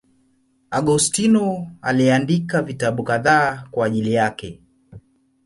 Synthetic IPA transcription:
aɠustinɔa̰liandikavitaɓukaðaːkwaːʄilijakɛ

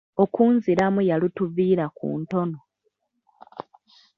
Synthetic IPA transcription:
okuːnziɾamujalutuviːɾakṵːnto̞no̞

